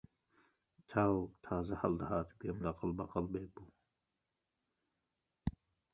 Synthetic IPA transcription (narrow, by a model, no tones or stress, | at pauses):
t̪ʰat̪ʰaːzɐhɐld̪haːt̪ɡemlɐqɐlbɐqɐlbeːpu